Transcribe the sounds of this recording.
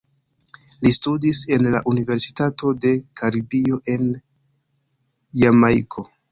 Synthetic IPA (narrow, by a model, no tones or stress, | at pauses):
listudise̞nlaʔunive̞ɾsi̥tato̞de̞kʰaɾibio̞ʔe̞n | jamajkʰo̞